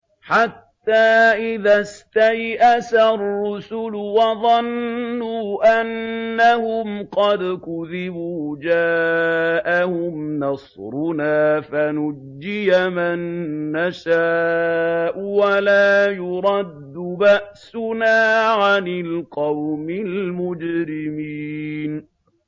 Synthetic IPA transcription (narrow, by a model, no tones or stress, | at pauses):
ħat̪ːaːʔɪðast̪ajʔasarˤːʊsʊlʊwɑðˤɑnːuːʔanːahʊmqɑd̪kʊðɪbuːd͡ʒaːʔahʊmnɑsɾʊnaːfanʊd͡ʒːɪjamanːaʃaː | ʔʊwalaːjʊɾˤɑd̪ːʊbaʔsʊnaːʕanɪlqɑwmɪlmʊd͡ʒɾɪmiːn